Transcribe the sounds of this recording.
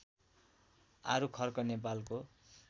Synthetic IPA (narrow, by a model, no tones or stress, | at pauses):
a̰ɾukʰʌrkʌnep̬alko